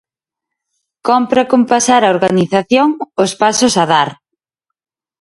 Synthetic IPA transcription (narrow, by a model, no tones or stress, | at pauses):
kɔmpɾakompasaɾaoɾɣaniθaθjoŋʊspasʊsaðaɾ